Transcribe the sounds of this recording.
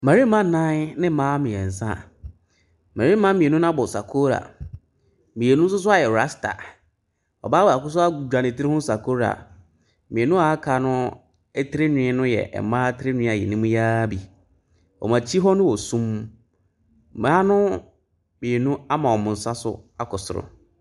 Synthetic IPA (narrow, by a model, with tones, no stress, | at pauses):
mã˨ɾi˦mã˦˨nã˦nɪ̃˦mãː˦mĩ˨ɛ̃˨n̩˨sã̰˦˨ | ma˨ɾi˦mã˦mĩ˨e˨nũ˦n˦ã˦bɔ˨sa̰˨kʰo˦ɾa̰˨ | mĩ˨e˨nũ˦n̩˦s̬ʊ˦s̬ʊ˦a˦jɛ˨ɾa˦sta̰˨ | ɔ̰˨ba˦wɔ˨a˨kʊ˦s̬ʊ˦a˦ɡd͡ʑᶣa˨nɪ̃˨ti˦ɾɪ˦hʊ̃˦sa˨kʰo˦ɾa̰˨ | mĩ˨e˨nũ˦a˨˦kʰa˨˦nʊ̃˦ | ɛ˦tʰɪ˦ɾɪ˦ɲɪ̃˨˦nʊ̃˦jɛ̰˨ʔɛ̰˨mãː˦tʰɪ˦ɾɪ˦nᶣɪ̃˦a˨jɛ̰˨nɪ̃˦mũ˦jaː˦bi˨ | ɔ̰˨mã˨t͡ɕʰi˦ɦɔ˦nʊ̃˦wɔ˨sũ˦m˨ | maː˦nʊ̃˦ | mĩ˨e˨nũ˦a˦mã˨ɔ˨mʊ̃˨n̩˨sã˦sʊ̰˦a˨kʰɔ˨sʊ˨ɾʊ̰˨